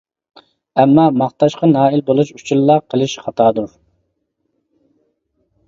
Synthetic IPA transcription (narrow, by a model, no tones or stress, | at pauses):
ɛmːɑmɑχt̪ɑʃqɑnɑːilbolˠuʃut͡ʃʰulːɑqʰəlˠɨʃχɑt̪ʰɑːd̪uɾ